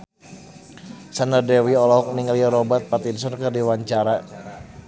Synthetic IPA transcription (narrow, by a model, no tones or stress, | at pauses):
sanardɛwiɔlɔɦɔk̚niŋaliaɾɔbat̪̚pat̪insɔnkərdiwaɲt͡ʃaɾa